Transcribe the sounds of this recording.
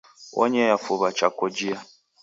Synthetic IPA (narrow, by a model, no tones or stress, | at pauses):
wʔɔ̰ɲɛjafoβat͡ʃakɔd͡ʒia